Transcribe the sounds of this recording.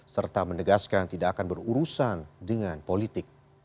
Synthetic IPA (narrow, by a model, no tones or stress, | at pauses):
sərt̪amənəɡaskant̪idaʔːkanbəruɾusandəŋanpolit̪ɪk̚